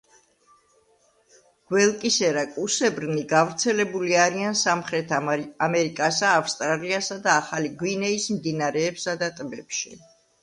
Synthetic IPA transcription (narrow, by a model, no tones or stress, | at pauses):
ɡ̥wɛlˠkʼisɛɾakʼusɛbɾniɡavɾt̪sʰɛlɛbuliaɾiansamχɾɛt̪ʰamɛɾikʼasaːfst̪ʼɾaliasad̪aːχaliɡwinɛismd̪inaɾɛːpsad̪at̪ʼbɛpʃḭ